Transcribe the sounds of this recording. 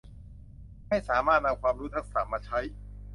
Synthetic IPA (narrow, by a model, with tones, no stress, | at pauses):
ma˥˩jsaː˩˦maː˥˩t̪̚na˧mkʰwaː˧mɾuː˦˥t̪ʰa˥k̚sa˨˩maː˧˩t͡ɕʰa˦˥j